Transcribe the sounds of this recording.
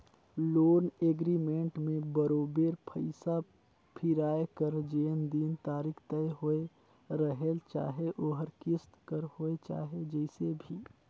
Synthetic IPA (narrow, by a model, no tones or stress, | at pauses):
loːneːɡɾimẽɳʈmẽbəɾoːbeɾpʰəɪsa | pʰɪɾaːekəɾd͡ʒeːnd̪iːnt̪aːɾikʰt̪əeɦoe | ɾəɦelt͡ʃa̰ːɦeʔoːɦəɾkɪst̪kəɾhoet͡ʃa̰ːɦed͡ʒɛɪsebʱiː